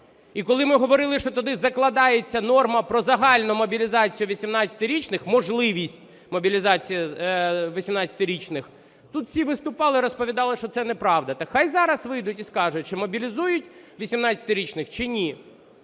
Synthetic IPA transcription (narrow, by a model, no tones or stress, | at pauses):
ikɔlˠɪmɪɦɔʋɔɾɪlˠɪʃt͡ʃɔt̪ɔd̪ɪzɐklˠɐd̪ɑjet͡sʲːɐnɔrmɐpɾɔzɐɦɑlʲnʊmɔbʲilʲizɑt͡sʲijʊʋʲisʲimnɑt͡sʲɐ̥t̪ɪɾʲit͡ʃnɪxmɔʒlˠɪʋʲisʲtʲ | mɔbʲilʲizɑt͡sʲijiʋisʲimnɑt͡sʲɐt̪ɪɾʲit͡ʃnɪx | t̪ut̪fsʲiʋɪst̪ʊpɑlˠɪɾɔspɔʋʲid̪ɑlˠɪʃt͡ʃɔt̪sɛnɛpɾɑʋd̪ɐt̪ɐxɑjzɑɾɐsʋɪjd̪ʊtʲiskɑʒʊt̚ʲt͡ʃɪmɔbʲilʲizujʊtʲ | ʋʲisʲimnɑt͡sʲɐ̥t̪ɪɾʲit͡ʃnɪxt͡ʃɪnʲi